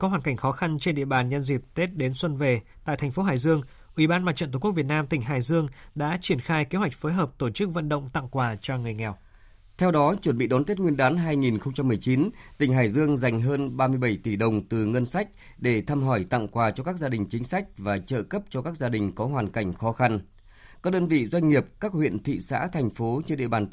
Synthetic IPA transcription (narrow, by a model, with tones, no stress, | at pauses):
kɔ˨˦ɦwaː˨˩nka˧˩jŋ̟xɔ˨˦xa˧nt͡ɕe˧nɗḭ˧əɓaː˨˩nɲə˧nzi˨˩p̚t̪e˦˥t̚ɗe˨˦nswə˧nve˨˩t̪a̰ː˧˨t̪ʰŋ̟fo˨˦ɦaː˨˩jzɨ˧əŋ | ʔwi˧˩ɓaː˧nmaː˧˨tt͡ɕə̰˧˨t̪ːkk̚vt̚naː˧mt̪ï˧˩ŋ̟ɦaː˨˩jzɨ˧əŋɗa̰ː˧˥t͡ɕi˧˩ənxaː˧jke˨˦ɦwa˨˩jk̟̚foː˨˦jɦəː˨˩p̚t̪o˧˩t͡ɕɨ˦˥k̚və̰˧˨nɗə̰˧˨wŋ͡mt̪a̰˧˨ŋkwaː˨˩t͡ɕɔ˧ŋɨ˨˩əjŋɛ˨˩w̚ | t̪ʰɛ˧wɗɔ˨˦t͡ɕwə˧˩nɓḭ˧˨ɗɔ˨˦nt̪e˦˥t̚ŋwi˧ənɗaː˨˦nɦaː˧jŋi˨˩nxə˧wŋ͡mt͡ɕa˧mːɨ˨˩əjt͡ɕi˨˦nt̪ï˨˩ŋ̟ɦaː˨˩jzɨ˧əŋza˨˩jŋ̟ɦəː˧nɓaː˧mɨ˧əjɓə˧˩jt̪i˧˩ɗə˨˩wŋ͡mt̪ɨ˨˩ŋə˧nsa˦˥jk̚ | ɗe˧˩t̪ʰaː˧mɦɔ˧˩jt̪a̰˧˨ŋkwaː˨˩t͡ɕɔ˧kaː˦˥k̚zaː˧ɗï˨˩ŋ̟t͡ɕï˨˦ŋ̟sa˦˥jk̚vaː˨˩t͡ɕə̰ː˧˨kə˦˥p̚t͡ɕɔ˧kaː˦˥k̚zaː˧ɗï˨˩ŋ̟kɔ˨˦ɦwaː˨˩nka˧˩jŋ̟xɔ˨˦xa˧n | kaː˦˥k̚ɗəː˧nvḭ˧˨zwa˧jŋ̟ŋi˨˩əp̚kaː˦˥k̚hwḭ˧˨ənt̪ʰḭ˧˨sa̰ː˧˥t̪ʰɛ˨˩ŋ̟fo˨˦t͡ɕe˧nɗḭ˧əɓaː˨˩n